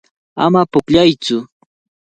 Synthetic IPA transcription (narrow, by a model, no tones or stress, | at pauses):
a̰mapʊkʎajt͡sʊ